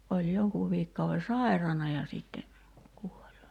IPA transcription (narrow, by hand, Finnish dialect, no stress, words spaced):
olʲ joŋkuːʋ ʋiːkːɑuʋe sɑˑirɑnɑ jɑ siˑtːe kuol